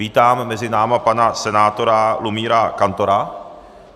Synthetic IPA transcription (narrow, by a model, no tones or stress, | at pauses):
iːt̪aːmːɛzɪnaːmapanasɛnaːt̪o̞ɾalumiːɾakant̪oɾa